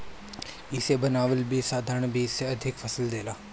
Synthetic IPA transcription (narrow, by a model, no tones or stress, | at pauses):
ɪsebɐnaːʋəlbʱisaːd̪ʱəɾəɳ̃bʱiseɐd̪ʱɪkfʰɐsəld̪eːlaː